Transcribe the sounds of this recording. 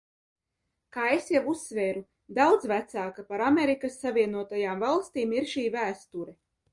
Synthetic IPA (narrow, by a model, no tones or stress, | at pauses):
kaːesjavusːveːɾu | d̪awd̪zvæt̪saːkapaɾameɾikasːavʲiɛnuɔt̪ajaːmvalˠst̪iːmiɾʃiːvæːst̪uɾɛ